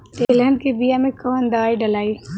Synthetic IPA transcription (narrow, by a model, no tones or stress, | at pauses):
t̪eːlənkebijamẽkɐʋənd̪aːiɖɐlaːi